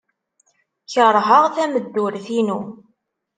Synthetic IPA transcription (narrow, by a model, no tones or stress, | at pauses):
çəɾˤɦəʁθæməd̪ːuɾθinu